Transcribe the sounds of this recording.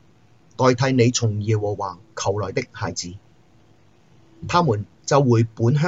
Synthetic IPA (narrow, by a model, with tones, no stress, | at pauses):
t̪ɔː˨˧jt̪ʰɐ˨˧˥jne˨˧jt͡sʰʊ˨˩ŋjɛː˨˩wɔː˨˩wːaː˨kʰɐ˨˩wlɔː˨˩jt̪ɪ˥k̚haː˨˩jt͡siː˨˥ | t̪ʰaː˥muː˨˩n | t͡sɐ˨wːuː˨˩jpuː˨˥nɦœː˥